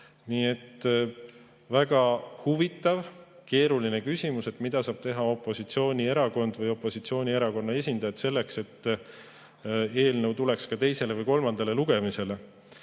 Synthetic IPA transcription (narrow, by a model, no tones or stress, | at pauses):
niːe̞t̪ː | væɡ̥ɑhuvit̪ːˑɑvke̞ːɾuline̞kysʲimuse̞t̪ˑmid̪̥ɑsɑːb̥t̪e̞ɦɑo̞pːˑo̞sit̪sio̞ːnʲie̞ɾɑko̞nd̪̥vɯjo̞pːˑo̞sit̪sio̞ːnʲie̞ɾɑko̞nːɑe̞s̬ʲind̪ɑjɑt̪se̞lːe̞kse̞t̪ː | e̞ːlnəwt̪ule̞kskɑt̪e̞jse̞le̞vɯjko̞lmɑnd̪ɑle̞luɡ̥e̞mise̞le̞